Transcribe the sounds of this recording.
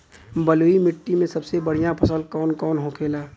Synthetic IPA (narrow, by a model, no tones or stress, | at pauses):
bəluimɪʈːimẽsɐbsebəɽ̤ijãpʰɐsəlkɔːnkɔːnɦokʰeːlaː